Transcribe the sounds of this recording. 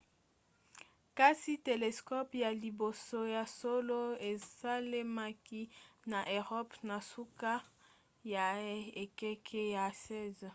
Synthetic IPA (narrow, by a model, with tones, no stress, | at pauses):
ka˦si˦te˨le˨skɔ˦pja˨li˨bo˨so˦ja˨so˦lo˦e˨sa˦le˦ma˦ki˦na˨ʔe˨ʁɔ˦pna˨su˦ka˦ | ja˨e˨kɛ˦kʰɛ˦ja˨sɛ˦˨z